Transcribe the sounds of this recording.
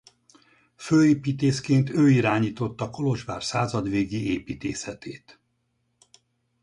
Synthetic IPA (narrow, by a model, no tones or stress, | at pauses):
føːeːpiːt̪eːskeːnt̪øːiɾaːɲiːt̪o̞t̪ːɒko̞lo̞ʒbaːrsaːzɒd̪ʋeːɡieːpiːt̪eːsɛt̪ʰeːt̪